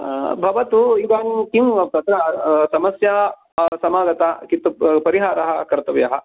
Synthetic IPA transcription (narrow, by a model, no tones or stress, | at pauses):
bʱɐʋɐt̪uid̪aːnikimt̪ɐt̪ɾɐsɐmɐsjɐɦɐ | sɐmaːɡɐt̪akit̪upɐɾiɦaːɾɐɦɐkɐɾt̪ɐʋjɐ̰ɦɐ